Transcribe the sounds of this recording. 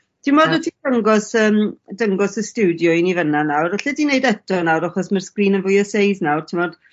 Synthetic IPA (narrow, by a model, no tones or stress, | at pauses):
tʰɪmɔdɛtʰidəŋɡɔsəːmdəŋɡɔsəstɪwdjɔɪnivənanawraɬɛdinejdɛtʰɔnawɾaχɔsmərskriːnənvʊjɔsejznawrtʰɪmɔd̥